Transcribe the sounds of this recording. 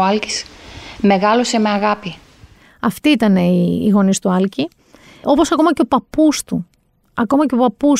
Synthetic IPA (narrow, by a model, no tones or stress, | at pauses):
ɐlci̥sme̞ɣɐlo̞se̞me̞ɐɣɐpi | ɐft̪iit̪ɐneḭːɣo̞nist̪uɐlci | o̞po̞sɐko̞mɐceo̞pɐpust̪u | ɐko̞mɐce̞opɐpus